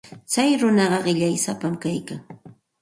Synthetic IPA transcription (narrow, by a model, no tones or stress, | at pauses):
t͡sajɾʊnɑɢɑɢɪʎajsapamkajkaŋ